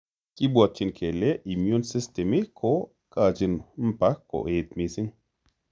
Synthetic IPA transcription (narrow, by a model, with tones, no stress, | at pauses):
ki˦bwa˧˨t̪̚t͡ʃi˧nkʰe˨lɛ˦ʔi˨mju˦nsi˦st̪ɛ˨mi˦kʰo˦ | kaː˧˨t͡ʃi˧nm̩˦pa˦kːo̰˨ʔe˨t̪̚mi˧si˦ŋ